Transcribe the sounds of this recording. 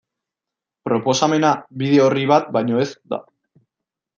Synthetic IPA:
pɾo̞po̞same̞naβiðe̞oriβat̪̚bajɲo̞e̞sd̪a̰

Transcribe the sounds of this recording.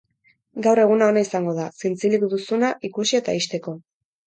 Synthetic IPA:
ɡawre̞ɣ̞unao̞naisaŋɡo̞ð̞asint͡silikd̪usunaʔikusie̞t̪aiʃt̪e̞ko̞

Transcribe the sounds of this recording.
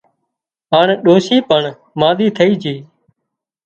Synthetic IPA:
ɦaːɳɗoːʃiːpəɳ | maːɗ̪iːt̪ʰəiːd͡ʒiː

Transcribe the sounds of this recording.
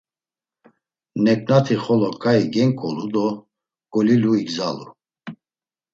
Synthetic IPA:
nɛkʼnat̪ʰiχɔlɔkʼaiɡɛŋkʼɔlud̪ɔ | ɡ̥ʼɔliluiɡzalṵ

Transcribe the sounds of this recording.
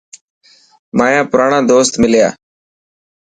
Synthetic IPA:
maːjãːpʊɾaːɳãːd̪oːst̪mɪlja̰ː

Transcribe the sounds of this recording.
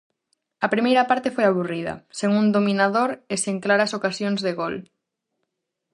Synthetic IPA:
ɐpɾimejɾɐpaɾt̪efojaβuriðɐ̰seŋũnd̪omĩnaðoɾeseŋklaɾasokasjoŋzðeɣol

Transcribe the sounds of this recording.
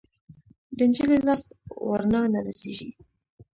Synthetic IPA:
d̪ənd͡ʒəlelɑst̪wa̰ɾnɑnaɾaseʒḭ

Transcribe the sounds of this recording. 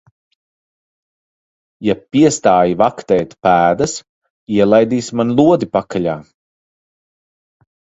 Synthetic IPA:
japiɛst̪aːjivakt̪ɛːt̪pæːd̪ɐs | iɛlˠajd̪iːsmanlˠuɔd̪ipakʰaʎʲaː

